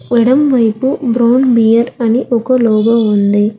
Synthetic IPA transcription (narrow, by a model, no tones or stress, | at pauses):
ʋɛɽɐmʋɐjpubɾaːnbijɐɾɐniʔɔkɐlɔːɡɐund̪i